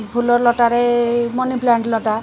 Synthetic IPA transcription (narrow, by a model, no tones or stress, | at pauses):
bʱulɔɾlɔʈaɾemɔniplaɳʈlɔʈa